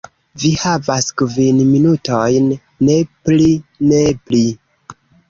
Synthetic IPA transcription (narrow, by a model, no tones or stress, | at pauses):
vihavaskvinminutojnː | e̞pline̞pli